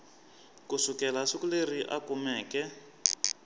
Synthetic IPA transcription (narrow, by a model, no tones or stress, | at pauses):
kusukɛlasukuleriʔa̰kumɛːkɛ